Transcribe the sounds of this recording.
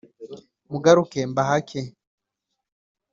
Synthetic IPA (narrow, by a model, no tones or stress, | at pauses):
muɡaɾukembaɦakʰe